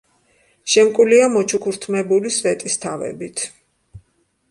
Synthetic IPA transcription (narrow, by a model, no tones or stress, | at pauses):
ʃɛmkʼuliamɔt͡ʃʰukʰuɾt̪ʰmɛbulisvɛt̪ʼist̪ʰavɛ̰bit̪ʰ